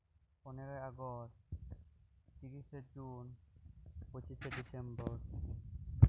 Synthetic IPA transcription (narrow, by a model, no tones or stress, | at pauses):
oneɾojaɡɔs | t̪iɾiʃed͡ʑun | pot͡ɕiseɖisembɔɾ